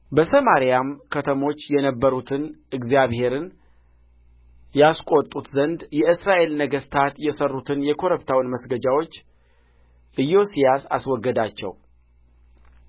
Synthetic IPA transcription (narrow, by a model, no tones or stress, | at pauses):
bəsəmaɾijamkʰət̪ʰəmo̞t͡ʃːjɛnəbːəɾut̪ʰɨnɨɡzijaβhe̞ɾɨn | jaskʷʼo̞t̪ʼːut̪zənd̪jɛɨsɾaʔe̞lnəɡəst̪ʰat̪jɛsərːut̪ʰɨnjɛkʰo̞ɾəpt̪ʰawnməsɡəd͡ʒawo̞t͡ʃː | ʔɨjːo̞sijasaswɔɡːəd̪at͡ʃːɛ̰w